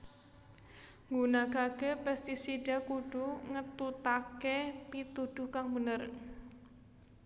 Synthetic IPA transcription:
ŋɡunaɡ̥aɡ̥e̤pɛst̪isiɖakuɖ̥uŋət̪ut̪akepit̪ud̪̥ʊ̤hkaŋbənər

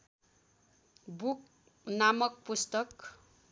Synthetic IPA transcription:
buk̚ | namʌk̚pust̪ʌk

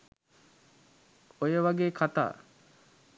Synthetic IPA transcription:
ojəʋaɡeːkʰat̪a̰ː

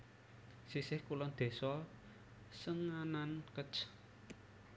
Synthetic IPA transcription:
sisɪhkulɔd̪̥e̤sɔ | səŋanankət͡ʃ

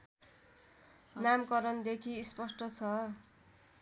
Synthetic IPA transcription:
namkʌɾʌnd̪ekʰiːspʌsʈʌt͡sʰʌ

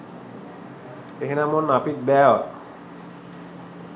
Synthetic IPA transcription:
eɦenamonːapik̚bɛwa

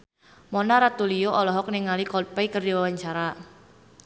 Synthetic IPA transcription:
mɔnaɾat̪ulijoʔɔlɔɦɔk̚niŋalikɔpɛikərdiwawaɲt͡ʃaɾa

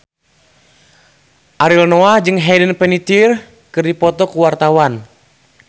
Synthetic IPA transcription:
ʔaɾilnɔad͡ʒɨŋɦɛdənpɛnit̪ir | kɨrdipɔt̪ɔkuwart̪awan

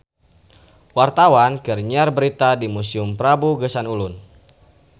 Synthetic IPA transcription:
wart̪awankərɲarbəɾit̪adimusiʊmpɾabuɡəsanulʊn

